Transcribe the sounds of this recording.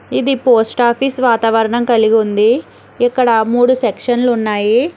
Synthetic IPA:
id̪ipoːsʈaːpʰisʋaːt̪ɐʋɐɾɐɳɐmkɐliɡund̪i | ikːɐɽɐmuːɽusekʂɐnlunːaːji

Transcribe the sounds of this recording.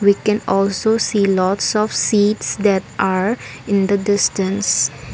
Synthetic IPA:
wikɛ̃nɔlsosiːlɔtsɔfsiːʈsd̪ɛʈʔaɾɪ̃nd̪ədɪsʈə̃ns

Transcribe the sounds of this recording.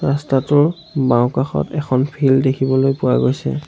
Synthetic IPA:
ɹastatʊɹ | baʊ̃kaxɔ̰tɛxʰɔnpʰildekʰibɔlojpʊwa̰ɡojsɛ̰

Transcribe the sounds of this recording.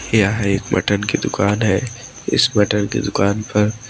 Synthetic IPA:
jaɦeːkmɐ̰ʈənked̪ʊkaːnɦɛː | ɪ̰smɐʈənkḛd̪ʊkaːnpʰɐɾ

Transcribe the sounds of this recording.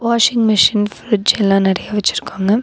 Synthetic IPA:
ʋaːʂɪŋɡmɪʂɪnfɾɪd͡ʒɛlːãːnɪɾɐjaːʋɛt͡ʃːɪɾɯ̥kːaːŋɡɐ

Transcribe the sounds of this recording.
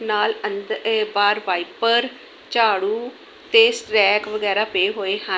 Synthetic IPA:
naːlənd̪baːɾʋaːiːpəɾ | t͡ʃaːɽuː | t̪eːsʈɾɛːkʋəɡɛːɾaːpeːɦoːeːhə

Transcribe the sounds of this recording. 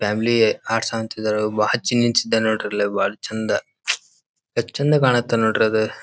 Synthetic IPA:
pʰaːmiliaːʈsaɐnt̪id̪ɐɾubaːɦɐt͡ʃinːiɲsid̪ːɐnoːʈiɾɐlebaːɐɽɐt͡ʃind̪ɐ | kɐt͡ʃːind̪ɐkaːɳɐt̪ːɐnoːʈiɾɐd̪u

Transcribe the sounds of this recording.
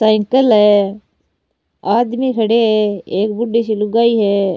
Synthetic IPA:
saːɪŋkəlɦɛː | aːd̪mikʰəɽeɦɛeːk̚bʊɖiʃiluɡaːiɦɛː

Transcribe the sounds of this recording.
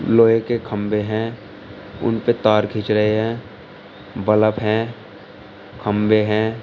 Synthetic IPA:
loːjekekʰəmbeɦɛ̃ː | ʊ̰npet̪aːɾkʰɪt͡ʃɾəɦeɦɛ̃ː | bələpɦɛ̃ː | kʰəmbeɦɛ̃ː

